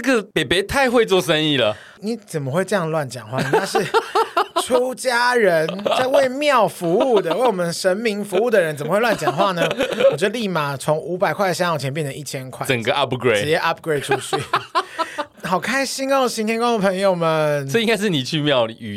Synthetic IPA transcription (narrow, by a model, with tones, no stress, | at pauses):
nə˥˩ɡə˨pe˨˩ɪpe˨˦t̪ʰa˥˧ɪxwe˥˧ɪt͡swɔ˥˨ʂə˦ni˥˩lə˩ | ni˨˩t͡sə˨˩mə˦xwe˥˧ɪʈ͡ʂə˥˧jɑ˥˧ŋlwa˥˩nt͡ɕjɑ˨˩ŋxwa˥˩n˦a˥˧˩ʂɻ̩˥˩ | ʈ͡ʂʰu˦˥t͡ɕja˦˥ɻə˨˦nt͡sa˥˧ɪwe˥˩ɪmjɑ˥˨ʊfu˧˦u˥˩˨d̪ə˩we˥˩ɪwɔ˨˩mə˨˦nʂə˧˦˥nmi˧˥ŋfu˧˥u˥˩d̪ə˨ɻə˦nt͡sə˨˩mə˦wwa˥˩nt͡ɕjɑ˨ŋ˩ŋxwa˥˧nə˦˧wɔ˨˩t͡ɕɥɛ˧d̪ə˧li˥˩ma˨˩t͡sʰo˧˦ŋu˧˥pa˨˩ɪkʰwa˥˩d̪ə˨˩ɕa˥ŋjɑ˨˩t͡ɕʰjɛ˧˦mpjɛ˥˨nə˩˦i˥˩t͡ɕʰjɛ˥nkʰwa˥˩˨ə˨˩ŋɡə˩ʔa˦pɡɹe˥˧t͡ɕjɛ˥ʔa˦˥p̚ɡɹe˥˩ɪʈ͡ʂʰu˧˥ɕy˥˩ | xɑ˨˩ʊkʰa˦˥ɪɕi˥ŋo˥˩˨ɕi˧˥nt̪ʰjɛ˥nkə˥o˨˧˩pʰə˧˦ŋjo˨˧ʊmə˨nə˥˧˨ĩ˦ŋɡa˥ɪʂɻ̩˥˨ni˨˩t͡ɕʰy˥˧mjɑ˥˨ʊy˨